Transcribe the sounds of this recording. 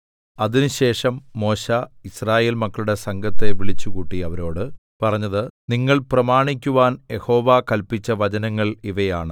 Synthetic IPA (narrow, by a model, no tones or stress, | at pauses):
ɐðinɨɕe̞ːʂɐmːo̞ːɕaisraːje̞ːlmɐkːɐɭuɽe̞sɐŋɡʱɐt̪ːe̞ʋiɭit͡ɕːukuːʈːiɐʋɐɾo̞ːɽɨ | pɐrɐɲːɐðɨniŋːɐɭprɐmaːɳikʲːuʋaːnje̞ho̞ːʋaːkɐlpit͡ɕːɐʋɐt͡ɕɐnɐŋːɐɭiʋɐjaːɳɨ